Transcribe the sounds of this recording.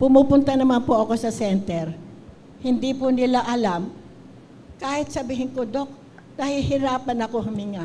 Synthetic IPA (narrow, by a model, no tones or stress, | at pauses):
pʊmupʊnt̪anɐmanpʊʔɐko̞sɐsɛnt̪ɛɾ | hɪnd̪ipʊnɪlaʔɐlam | kaːhɪt̪̚sɐbiːɦɪŋkod̪ok̚ | d̪̥aːhɪlhɪɾaːpɐnɐko̞hʊmiŋa